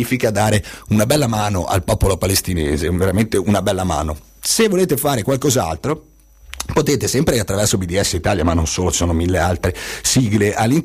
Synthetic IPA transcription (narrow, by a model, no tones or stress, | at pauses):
iːfikad̪aːɾeunabɛlːamaːnoʔa̰lpɔːpolopalest̪ineːzeveɾament̪eunabɛlːama̰ːno | sevːoleːt̪efaːɾekwalkoza̰lt̪ɾo | pot̪eːt̪esɛmpɾeat̪ːɾavɛrsobid̪iɛsːeit̪aːljamanːonsoːlot͡ʃi̥soːnomilːealt̪ɾesiːɡleʔalːin